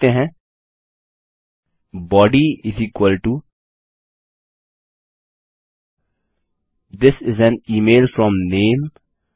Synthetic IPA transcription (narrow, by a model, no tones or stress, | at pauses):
eɦɛ̃ | bɔːɖiɪziːkwəlʈu | d̪ɪsɪzɛ̃niːmeːlfɾɔ̃mnẽːm